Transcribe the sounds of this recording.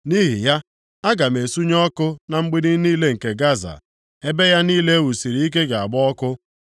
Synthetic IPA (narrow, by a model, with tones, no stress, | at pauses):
ni˦ɦi˨ja˦ | a˦ɡa˨m˨e˨su˦ɲɔ˦kʊ˦na˨ŋ͡m̩˦ɡ͡bi˦ni˦niː˦le˦ŋ̩˨ke˨ɡa˦za̰˨ | e˦be˦ja˦niː˦le˦wu˨si˨ɾi˨i˦k̬e˦ɡa˨a˨bʊ˦ɔ˦kʊ˦